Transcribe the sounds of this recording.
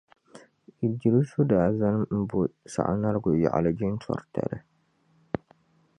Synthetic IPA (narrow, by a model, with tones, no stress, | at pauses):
i˨d͡ʒi˨ɾi˦sʊ˦daː˨za˦n˦m̩˦bʊ˦sa̰˨ʔa̰˨na˦ɾɡʊ˨jɛ̰˨ʔa̰˨la˨d͡ʒi˦n˦tʰɔ̰˨ɾtʰa̰˨ɾɪ˨